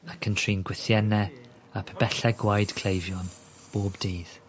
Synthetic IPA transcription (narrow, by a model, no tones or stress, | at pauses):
əkʰəntʰrinɡwɪθjɛnɛ | apʰɛbɛɬɛɡwajd̥kʰl̥ejvjɔn | b̥oːbdiːð̥